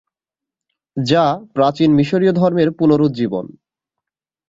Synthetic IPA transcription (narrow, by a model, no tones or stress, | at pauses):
d͡ʑapɾat͡ɕinmiʃoɾiod̪ʱɔɾmeɾpunoɾud̪̚d͡ʑibo̰n